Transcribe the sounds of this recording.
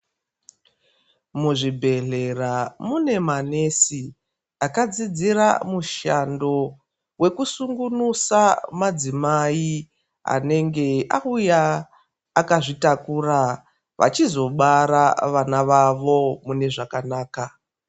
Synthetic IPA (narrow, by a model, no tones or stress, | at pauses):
muʐibʱe̞ɮe̞ramune̞mane̞si | akad͡zid͡zira̰muʃando̞ | we̞kusuŋɡunusamad͡zimai | a̰ne̞ŋɡe̞a̰ujaː | kaʐitakura | ʋʔa̰t͡ʃizo̞ɓaɾaʋanaʋaʋo̞mune̞ʐakanaːka